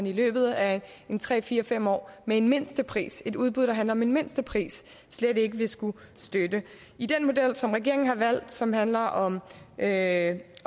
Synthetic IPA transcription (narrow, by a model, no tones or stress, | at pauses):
nilø̰ːb̥ð̞̩ˠæ | e̝nt͡sʰʁɛ̰ːfiːɐfem̰ɒ̰ːmee̝nme̝n̰sd̥əpʰʁḭːse̝duð̞ˠb̥uðˠd̥ɑɦænlɐɒɒ̽me̝nme̝n̰sd̥əpʰʁḭːsː | led̥e̝ɡ̥əʋe̝sɡ̥u | sd̥ød̥ə | id̥enmo̝d̥el̰sɒ̽mʁɛɡ̥e̝ɐ̰eŋn̩hɑ̈ʋæl̰d̥sɒ̽mhænlɐʔɒ̽mø